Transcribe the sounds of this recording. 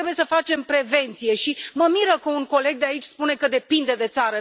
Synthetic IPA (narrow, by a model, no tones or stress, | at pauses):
ɾebujesəfat͡ʃe̞mpɾe̞ve̞nt̪sije̞ʃiməmiɾəkəuŋko̞le̞ɡ̚d̪eait͡ʃʲspune̞kəd̪e̞pind̪e̞d̪e̞t̪saɾə